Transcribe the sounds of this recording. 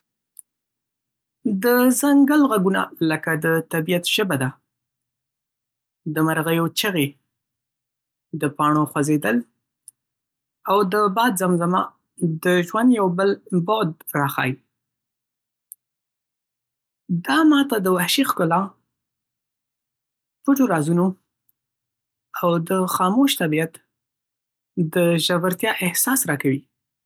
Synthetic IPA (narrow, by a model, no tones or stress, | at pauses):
d̪əzaŋɡəlɣaɡuna̰ləkad̪ət̪abijat̪ʒ̥əbad̪a | d̪əmaɾɣajot͡ʃəɣe | d̪əpɑɳoxwazed̪əl | awd̪əbɑd̪zamzama | d̪əʒwand̪jawbəlbod̪̚ɾɑxɑ̰ji | d̪ɑmɑt̪ad̪əwahʃixkʊlɑ | pʊʈoɾɑzuno | awd̪əxɑmoʃt̪abijat̪ | d̪əʒawaɾt̪jɑʔɪhsɑsɾɑkawi